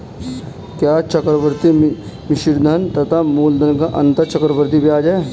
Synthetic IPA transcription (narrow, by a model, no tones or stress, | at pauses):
kjaːt͡ʃəkɾəʋəɾt̪i | mɪʃɪɾd̪ʱɐnt̪ɐt̪ʰamuːld̪ənkaʔɐ̃nt̪əɾt͡ʃəkɾəʋəɾt̪̬ipiaːd͡ʒae